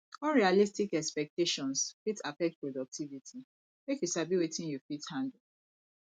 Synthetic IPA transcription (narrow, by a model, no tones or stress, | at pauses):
ɔlɹialistikɛkspɛk̚teʃɔ̃nsfitafɛk̚t̚pɹodɔk̚tʰivitʰi | mekjuʃabiwetʰĩnjufithãŋɡli